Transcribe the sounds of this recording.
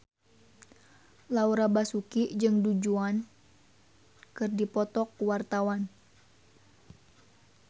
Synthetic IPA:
lauɾabasukid͡ʒɨŋdud͡ʒuan | kɨrdipɔt̪ɔkwart̪awan

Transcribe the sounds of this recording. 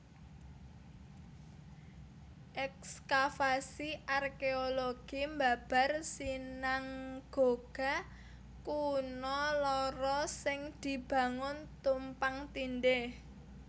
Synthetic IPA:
ʔɛkskafasiʔarkeoloɡ̥imbab̥a̤rsinaŋɡ̥o̤ɡ̥a̤ | kunɔlɔɾɔsɪŋd̪̥i̤b̥a̤ŋʊnt̪umpaŋt̪inɖɪh

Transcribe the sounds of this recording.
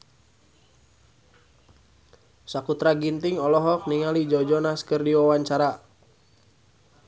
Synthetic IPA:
sakut̪ɾaɡint̪iŋɔlɔɦɔk̚niŋalid͡ʒɔd͡ʒɔnaskɨrdiwawaɲt͡ʃaɾa

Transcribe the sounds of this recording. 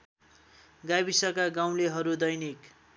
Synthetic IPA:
ɡajbisʌkaɡaw̃leɦʌɾud̪ʌjnik

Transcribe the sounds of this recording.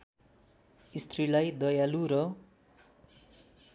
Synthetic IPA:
ist̪ʰrilajd̪ʌjaluɾʌ

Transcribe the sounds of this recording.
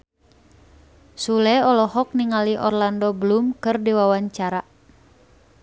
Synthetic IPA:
sulɛɔlɔhɔk̚niŋaliʔɔ̰rlandɔbəlumkɨrdiwawaɲt͡ʃaɾa

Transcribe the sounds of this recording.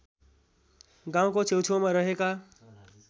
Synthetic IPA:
ɡãw̃kot͡sʰewtʰõmaɾʌɦeka

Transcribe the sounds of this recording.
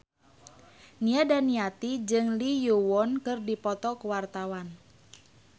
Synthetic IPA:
niadaniat̪id͡ʒɨŋlijuwɔnkɨrdipɔt̪ɔkəwart̪awan

